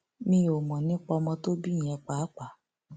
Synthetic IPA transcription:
mĩ˧˦o˨mɔ̃˨nĩ˦k͡pɔ˧mɔ̃˧to˦bĩ˦˨ɛ̃˧k͡pa˨˦k͡pa˨

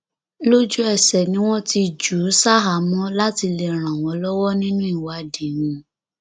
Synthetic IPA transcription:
lo˦d͡ʒu˦ɛ˦˨sɛ˨nĩ˨˦w̃ɔ̃˦ti˧d͡ʒu˨˦sa˦ɦa˨mɔ̃˦la˦ti˧le˧ɾ̃ã˨w̃ɔ̃˨˦lɔ˦wɔ˦nĩ˦nũ˦i˦˨wa˨de˨˦wũ˧

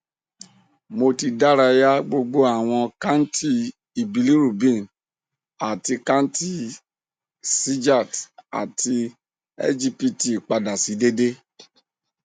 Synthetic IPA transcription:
mo˧ti˧da˦ɾa˧ja˦ɡ͡bo˧ɡ͡bo˦a˨w̃ɔ̃˧ka˦n̩˦ti˦ | i˨bi˨˧li˦ɾu˨bĩ˦˨n | a˨ti˧kã˦n̩˦ti˦ | si˦d͡ʒa˦˨ta̰˨ti˧ | ɛ̰˦d͡ʒi˦˧pi˦˨ti˨k͡pa˧da˨si˨˦de˦de˦

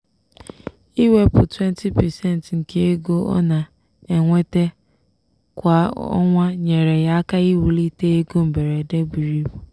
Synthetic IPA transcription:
i˦we˦pʊ˨twe˦n˦tʰi˦pɛ˨se˦˨n˨tŋ̩˨ke˦e˦ɡo˦ɔ̰˦na˨ | e˨ŋʷe˦te˦ | kʷa˨ɔ̰˦ŋʷa˦ɲe˨ɾe˨ɣa˦a˦ka˦ɣɪ˦wu˨li˦te˦e˦ɡo˦m̩˨be˨ɾe˨de˦bi˨ɾi˦bu˨

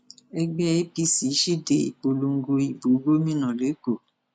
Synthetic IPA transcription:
ɛ˧ɡ͡bɛ˦i˦pi˦si˨˦ʃi˦˨de˨ḭ˨k͡po˧lu˧ŋ̩˦ɡo˧i˨bo˨˦ɡo˦mĩ˦nã˨le˨˦ko˦˨

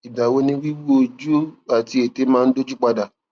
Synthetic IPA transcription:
i˨da˨wo˦nĩ˧wi˦wu˦o˧d͡ʒu˦a˨ti˧e˨te˨˦mãː˦n̩˦do˦d͡ʒu˦k͡pa˧da˨

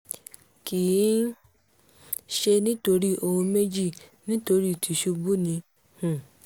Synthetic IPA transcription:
ki˨˦ | ʃe˧nĩ˦to˧ɾi˦o˧hõ˧me˦d͡ʒi˦˨nĩ˦to˧ɾi˦˨tʰi˨ʃu˧bu˦nĩ˧ | hũ˨

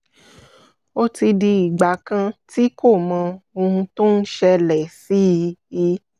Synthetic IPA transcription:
o˦ti˧di˧i˨ɡ͡ba˨˦kã˧ti˦ko˦˨mã˧o˧hũ˧to˦n̩˦ʃɛ˧lɛ˨si˨˦i˧i˧˦

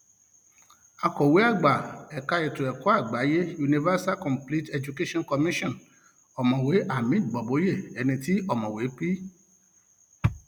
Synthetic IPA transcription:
a˧kɔ˨we˨˦a˦˨ɡ͡ba˨ɛ˨ka˧ɛ˨tu˨ɛ˨kɔ˨˦a˦˨ɡ͡ba˨˦je˦ju˧nĩ˧va˦sa˦lkɔ̃˨mpli˦tɛ˧d͡ʒu˧ke˦ʃɔ̃˦nkɔ˧mĩ˦ʃɔ̃˦˨n | ɔ˨mɔ̃˨we˨˦ʔa˨mĩ˦˨ɡ͡bɔ˨bo˨˦je˦˨ɛ˧nĩ˧ti˦ɔ˦˨mɔ̃˨we˨˦k͡pi˦

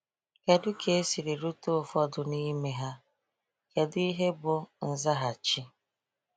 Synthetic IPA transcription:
ke˨dʊ˦kʰe˦si˨ɾi˨ɾu˦to˦˨fɔ˦dʊ˨ni˦me˦ɦa˦ | ke˨di˦ɦe˦bʊ˨n̩˨za˦ɦa˨t͡ʃɪ˦

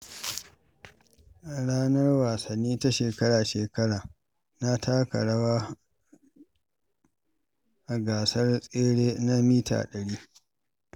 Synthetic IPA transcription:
ɽaː˦nɐ˦rwaː˨sɐ˨nːiː˦ta˦ʃeː˨kɐ˦ɽaː˨ʃeː˨kɐ˦ɽaː˨ | na˦tʰaː˦kɐ̰˨ɽɐ˦waː˦ | ʔa˨ɡaː˨sɐ˦rsʼeː˦ɽeː˦na˦miː˦ta̰ː˨ɗɐ˨ɽiː˦

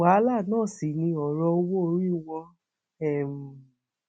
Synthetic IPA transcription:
a˨˦la˦˨nãː˦˨si˨nĩ˧ɔ˨ɾɔ˧o˧wo˦o˧ɾi˦wɔ̃˧ | ɛ˦˨m̩˨

